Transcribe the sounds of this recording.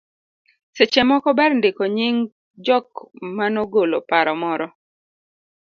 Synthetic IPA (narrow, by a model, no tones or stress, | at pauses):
set͡ʃɛmɔkɔbɛrndɪkoɲɪŋ | d͡ʒɔkmanoɡolo̰paɾɔmɔɾɔ